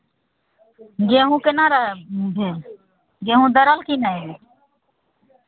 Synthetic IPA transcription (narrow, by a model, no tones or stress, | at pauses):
ɡeːɦũːkenaːɾaɦbʱe | ɡeːɦũːd̪əɾəlkiːnaebe